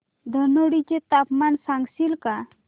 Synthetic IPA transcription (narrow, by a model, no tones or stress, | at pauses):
d̪ʱənoɽit͡ɕet̪apmansaŋɡsilka